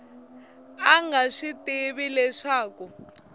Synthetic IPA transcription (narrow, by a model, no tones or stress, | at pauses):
aŋɡaʂitʼiɓilɛʂaːkɔ